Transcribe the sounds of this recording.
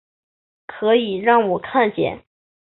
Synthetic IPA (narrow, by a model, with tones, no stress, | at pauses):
kʰɤ˧˥i˨˩ɻɑ˥˩ŋwɔ˨˩kʰa˥˧nt͡ɕjɛ̰˨˩˦n